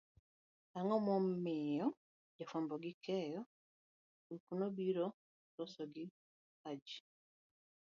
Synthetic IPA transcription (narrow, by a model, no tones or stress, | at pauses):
aŋɔmɔmːɪjɔ | d͡ʒafwambɔɡikʰɛjɔ | ukunobiɾɔ | tɔsɔɡi | ad͡ʒi